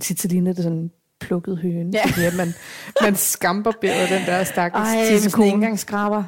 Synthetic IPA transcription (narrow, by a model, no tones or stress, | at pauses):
t͡sʰit͡sʰilind̥e̝sɔ̽n | pʰlɔ̽ɡ̥ð̩ˠɦøːniɐmænmænsɡ̥ɑ̈mb̥ɐb̥e̝ɐ̰ð̩ˠd̥end̥æɐ̰sd̥ɑɡəi̥kʰonɡ̥ɑ̈ŋ̰sɡ̥ʁɑ̈b̥ɐ